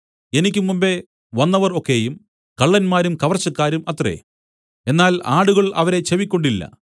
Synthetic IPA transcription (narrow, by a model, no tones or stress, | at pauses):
e̞nikʲːumːumbe̞ | ʋɐnːɐʋɐro̞kːe̞jum | kɐɭːɐnmaːɾumkɐʋɐrt͡ɕːɐkːaːɾumɐt̪re̞̰ | e̞nːaːlaːɽuɣɐɭɐ̰ʋɐɾe̞t͡ɕeʋikʲːo̞ɳɖilːɐ̰